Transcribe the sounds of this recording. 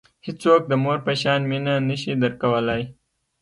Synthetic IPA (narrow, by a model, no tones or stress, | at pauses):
hɪt͡sok̚d̪əmoɾpəʃɑnminanəʃid̪əɾkawəlaj